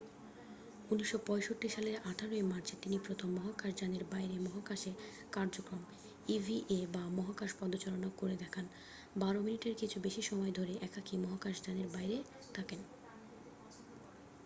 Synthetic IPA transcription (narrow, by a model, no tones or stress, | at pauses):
uniʃːopɔeʃoʈːiʃaleɾaʈʰaɾoemaɾt͡ɕʰet̪inipɾot̪ʰomːɔɦakaʃd͡ʑaneɾbajɾemɔɦakaʃe | kaɾd͡ʑokɾom | ivʱiʔebamɔɦakaʃpɔd̪ot͡ɕalonakoɾed̪ɛkʰan | baɾominiʈeɾkit͡ɕʰubeʃiʃɔmɔed̪ʱoɾeʔɛkakimɔɦakaʃd͡ʑaneɾbajɾe | t̪ʰaken